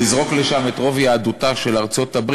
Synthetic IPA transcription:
izʁo̞kle̞ʃame̞tʁo̞vjaːd̪utaʃe̞laʁt͡so̞t̪abʁ

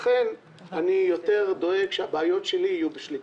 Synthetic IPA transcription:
χen | anijo̞te̞ʁd̪o̞eɡʃeabeajo̞tʃeliːjubeʃli

